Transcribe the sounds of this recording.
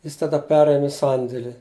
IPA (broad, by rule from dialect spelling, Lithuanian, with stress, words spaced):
ˈjɪs tɐˈdɐ ˈpʲæːrʲeːmʲeː ˈsɐnʲdʲeːlʲɪ